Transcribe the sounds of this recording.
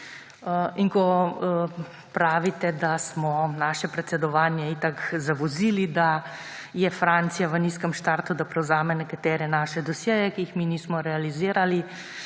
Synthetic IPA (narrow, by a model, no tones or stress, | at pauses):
iŋkɔ | pɾaːʋit̪ɛd̪asmɔnaːʃɛpɾɛt̪sɛd̪ɔʋaːnjɛit̪akzaʋɔziːlid̪a | jɛfɾant̪sijaʋəniskəmʃt̪aːɾt̪ud̪apɾɛwzaːmɛnɛkat̪ɛːɾɛnaːʃɛd̪ɔsjɛjɛkiːxminiːsmɔɾɛaliziːɾali